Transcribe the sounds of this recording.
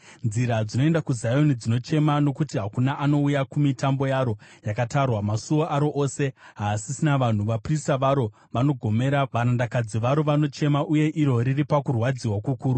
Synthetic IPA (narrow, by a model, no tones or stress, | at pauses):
nziɾad͡zino̞e̞ndakuzajo̞nid͡zino̞t͡ʃe̞mano̞kutiɦakunaʔano̞ujakumitambo̞jaːɾo̞jakatarwamasuo̞ʔaɾo̞ʔoːse̞ɦasisinaʋan̤uʋapristaʋaɾo̞ | ʋano̞ɡʱo̞me̞ɾaʋaɾandakad͡ziʋaɾo̞ʋano̞t͡ʃe̞maʔuje̞ʔiɾo̞ɾiripakurwad͡ziwakukuːɾu